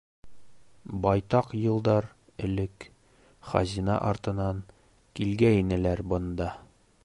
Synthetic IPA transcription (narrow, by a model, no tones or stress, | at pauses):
bɒjt̪ɑqjɤ̆lˠd̪ɑɾ | ɘ̆lɘk | χɑ̰zʲinɑ̰ʔɒɾt̪ɤ̆nɑŋ | kilɡæinɘ̆læɾbŏnd̪ɑ